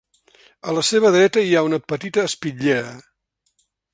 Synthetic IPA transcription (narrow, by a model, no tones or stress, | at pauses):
ələseβ̞əðɾɛt̪əiaunəpət̪it̪əːspiʎɛɾə